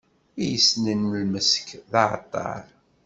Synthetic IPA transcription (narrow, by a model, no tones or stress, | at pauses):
ijəsnənəlməskðɑʕə̰t̪ˤːɑ̰ɾˤ